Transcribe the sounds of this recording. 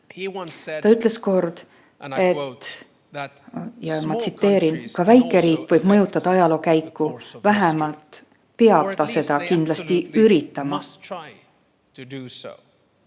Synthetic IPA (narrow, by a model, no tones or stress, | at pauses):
t̪ɑyt̪ːˑle̞sko̞rd̪̥ | e̞t̪ː | jɑmɑt̪sit̪ːe̞ːɾinkɑvæjkːˑe̞ɾiːkːˑvɤjb̥mɤjut̪ˑːɑd̪̥ɑɑjɑlo̞ːkæjkːuvæɦemɑlt̪ | pe̞ɑb̥t̪ɑse̞d̪̥ɑkind̪̥lɑst̪iyɾit̪ːˑɑmɑ